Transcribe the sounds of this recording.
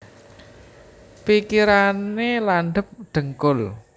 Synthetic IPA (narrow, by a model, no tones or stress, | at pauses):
pikiɾanelanɖ̪ə̤p̚ɖ̪̥ə̤ŋkʊl